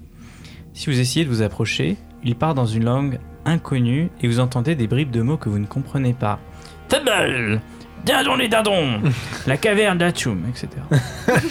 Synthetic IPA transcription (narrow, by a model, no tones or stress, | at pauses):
sivuzes̬ejed̪əvuzapχɔʃe | ilpaʁd̪ɑ̃zynlɑ̃ɡ | ɛ̃kʰɔnyevuzɑ̃t̪ɑ̃d̪ed̪ebʁibd̪əmokəvunəkɔ̃pχənepa̰ | fɛbɛl | d̪ɛ̃d̪ɔ̃led̪ɛ̃d̪ɔ̃lakavɛʁnd̪at̪umɛkset̪ʰeʁa